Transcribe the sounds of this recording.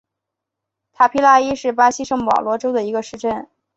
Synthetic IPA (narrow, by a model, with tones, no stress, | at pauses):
t̪ʰa˨˩pʰi˥la˥˩i˥ʂɻ̩˥˩pa˥ɕi˥ʂɤ˥˩ŋpɑ̰˨˩ʊlwɔ˧˥ʈ͡ʂo˥ʊd̪ə˨i˧˥ɡə˧ʂɻ̩˥˧ʈ͡ʂə˥˩n